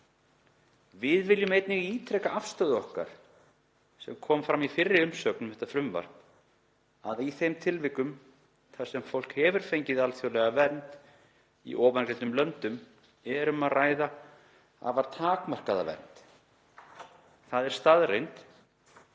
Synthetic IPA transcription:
vɪðvɪljʏmejt̪nɪɣiːt̪ʰɾɛkaʔafst̪œðɔhka̰ɾ̥ | sɛmkʰɔːmfɾamːifɪrːɪʏmsœknʏmhɛht̪afɾʏmva̰ɾ | aðiθejmt̪ʰɪlvɪkʏm | θasɛmfowl̥khɛːvʏɾ̥fejɲcɪðalθjowlɛɣavɛnt̪ | ḭʔɔːvankɾent̪ʏmlœnt̪ʏm | ɛɾʏmaðraːjða | a̰vaɾt̪ʰaːkmar̥kaða̰vɛ̰nt̪ | θaðɛɾ̥st̪aðrejnt̪

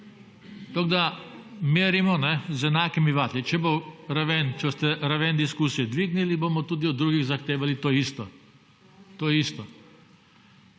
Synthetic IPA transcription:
t̪oɡd̪ameːɾimɔnɛzɛnaːkimiʋaːt̪lit͡ʃɛboɾaʋɛnt͡ʃɛst̪ɛɾaʋɛnd̪iskuːsijɛd̪ʋiːɡniliboːmɔt̪uːd̪iɔd̪ːɾuːɡiɣzaxt̪eːʋalit̪oːist̪ɔ | t̪oːjist̪ɔ

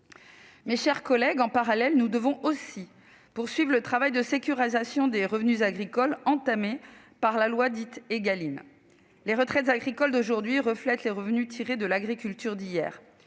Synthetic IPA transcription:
meʃɛʁkɔlɛɡɑ̃paʁalɛlnud̪əvɔ̃ʔosi | puʁsɥivʁlət̪χavajd̪əsekʲyʁizasjɔ̃d̪eʁəvnyzaɡʁikɔlɑ̃t̪ame | paʁlalwad̪it̪eɡalin | leʁət̪χɛt̪zaɡʁikɔld̪oʒuʁd̪ɥiʁəflɛt̪leʁəvnyt̪ʰiʁed̪əlaɡʁikʲylt̪yʁd̪ijɛ̰ːʁ

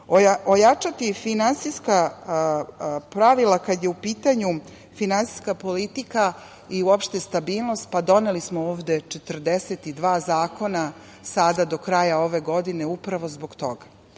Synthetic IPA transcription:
oojat͡ʂat̪ifinansiska | pɾaʋilˠakad̪jeupiːt̪aɲu | finansi̥skapo̞lit̪ika | iuopʃt̪e̞st̪abiːlˠnost̪̚pad̪o̞nelismooːʋd̪e̞t͡ʃet̪rd̪eset̪id̪ʋaːzaːko̞na | sad̪ad̪o̞kɾajao̞ʋe̞ɡo̞d̪ine̞upɾaʋo̞zbo̞ɡt̪o̞ɡa

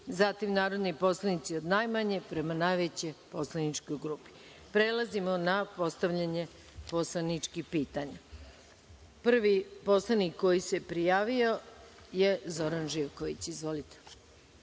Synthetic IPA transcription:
zat̪imnaːɾo̞d̪nipo̞slˠanit̪sio̞d̪najmaɲepɾe̞manajʋet͡ɕe̞jpo̞slˠanit͡ʃko̞jɡɾuːpi̥ | pɾe̞lˠazimo̞napo̞st̪aʋʎaɲe̞ | poslanit͡ʃkixpiːt̪aɲa | pr̩ʋipo̞slˠanikːo̞jise̞pɾijaːʋio | je̞zo̞ɾanʒiːʋkoʋit͡ɕizʋo̞lit̪e̥

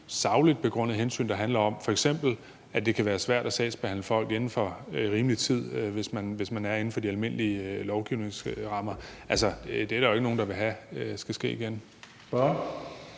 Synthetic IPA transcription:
sɑ̈ʊlid̥̚pʰeɡ̥ʁɔ̽n̰ð̩ˠɦensy̰ːnd̥ɑ̈ɦænlɐɒ̽m̰fɒ̽eɡ̥sem̰b̥l̩ | æd̥e̝kʰæʋæːɐsʋæɐ̰d̥æsɛ̰ːsb̥e̝hæn̰ləfɒ̽l̰ɡ̥e̝nn̩fɒ̽ʁiːmlit͡sʰið̞̰ˠʋe̝smænʋe̝smænæɐen̩fɒ̽d̥iælme̝n̰liəlɒʊɡ̥iʊ̰ne̝ŋsʁɑ̈mɐʔælsɒd̥e̝æɐd̥ɑʊe̝ɡ̥no̝ːn̩d̥ɑ̈ʋe̝ɦæsɡ̥æsɡ̥e̝̰ːiɡ̥en | b̥ɑ

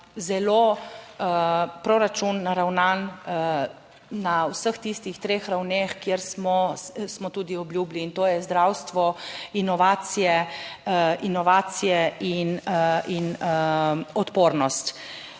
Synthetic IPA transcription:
zɛlo | pɾoɾat͡ʃunːaɾawnan | nawsəxt̪ist̪ixt̪ɾeːxɾawnexkjeɾsmɔsmɔt̪uːd̪iɔbljuːbliːnt̪oːjɛzd̪ɾawst̪ʋɔinɔʋaːt̪sijɛ | ʔinɔʋaːt̪sijɛinin | ɔt̪poːɾnɔst̪

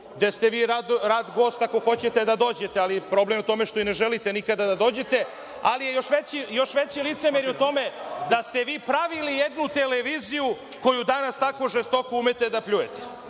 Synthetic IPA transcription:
d̪est̪eʋiːɾad̪ɾaːd̪ɡo̞ːst̪ako̞xo̞t͡ɕe̞t̪ed̪ad̪o̞ːd͡ʑe̞t̪ealipɾo̞blemot̪o̞meʃt̪o̞ineʒelit̪enikad̪ad̪ad̪o̞ːd͡ʑe̞t̪e̞ | a̰lijejo̞ʃʋet͡ɕijo̞ʃʋet͡ɕilit̪semeɾjot̪o̞med̪ast̪e̞ʋiːpɾaʋilijed̪nut̪eleʋiːzijuko̞jud̪anast̪ako̞ʒest̪o̞koumet̪ed̪apʎujet̪e̥

